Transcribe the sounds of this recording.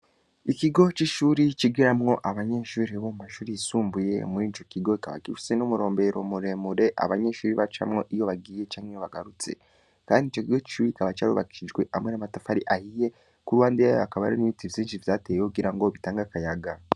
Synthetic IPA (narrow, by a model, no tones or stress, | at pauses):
ikiɡo̞t͡ʃiʃuːɾit͡ʃiɡiɾamŋo̞ʔaβaɲe̞ːʃuːɾiβomumaʃuːɾiisuːmbuje̞̰muit͡ʃo̞kiɡo̞ikaβa̰kifi̥senomuɾo̞ːmbe̞ɾo̞muɾe̞muɾe̞ʔa̰βaɲe̞ʃuːɾiβat͡ʃa̰mŋo̞ʔijo̞βaɡiːje̞t͡ʃaːŋijoβaɡaɾut͡se̞̰ | kaːndit͡ʃo̞kiɡo̞t͡ʃi̥ʃuːɾiikaβat͡ʃaːɾṵβa̰kiʃiʒɡwe̞ʔamwe̞namatafaɾiʔahije̞ | kuɾwaːndejajakaβa̰ɾiniitivziːnʃivjaːteːokuɡiɾaŋɡoβitaːŋɡakajaɡa